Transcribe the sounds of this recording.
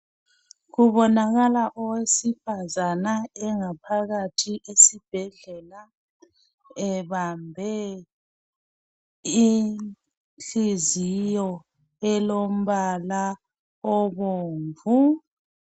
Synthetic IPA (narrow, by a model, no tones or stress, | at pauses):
ɣuβɔnaɣalaʔɔwesifazanaɛŋapʰaɣatʰiʔesib̥ʱɛɮɛla | ɛβambʱɛ | i | ɬizijɔ | ɛlom̩βala | ɔβoːɱvu